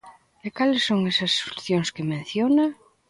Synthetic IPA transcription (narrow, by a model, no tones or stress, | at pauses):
ekalesːoŋesɐsːo̥luθjoŋskemẽn̟θjona